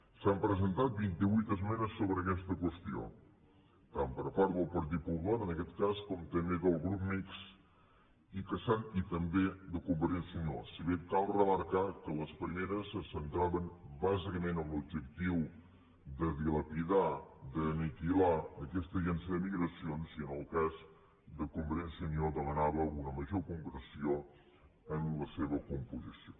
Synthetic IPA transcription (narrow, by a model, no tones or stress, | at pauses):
sampɾəzənt̪at̪̚bint̪iβujt̪əzmɛnəsːoβɾəːkɛst̪əkwəst̪io̰ | t̪ampəɾfaɾðəlˠpəɾt̪̬it̪̚pulat̪ənəkɛt̪kaskɔmt̪əmeɣəlˠɣɾup̚miks | ikəsanit̪əmbed̪əkumbəɾt̪isuɲo̰siβekalˠrəməɾkakələspɾimeɾəsəsənt̪ɾaβəmbazikəmenəmlub̚d͡ʒəkt̪iw | d̪əðiləpiðad̪ənik̪ilaəkɛst̪əʒɛnsəðəmiɣɾəsionsiənəlˠkaz | d̪əkumbəɾɛnsəɲoðəmənaβəunəməʒokumbəɾsio | ənləseβəkumpuzisio